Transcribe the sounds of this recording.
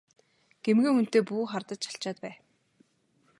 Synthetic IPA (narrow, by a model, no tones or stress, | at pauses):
ɡ̥emɡĭŋun̥t̪eːpuːχart̪ə̆t͡ɕt͡ɕḁɬt͡ɕaːt̪̚pæː